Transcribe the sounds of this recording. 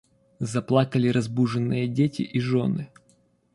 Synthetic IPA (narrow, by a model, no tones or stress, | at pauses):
zɐplˠakəlʲɪɾɐzbuʐɨnːɨjədʲetʲɪ̰ʔiʐonɨ